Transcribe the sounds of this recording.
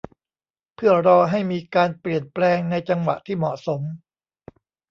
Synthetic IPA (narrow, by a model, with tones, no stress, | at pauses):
pʰɯ˥˩ɐɾɔː˧ɦa˥˩jmiː˧kaː˧npli˨˩ənplɛː˧ŋna˧jt͡ɕa˧ŋwa̰˨˩ʔt̪ʰiː˥˩mɔ˨˩ʔso˩˦m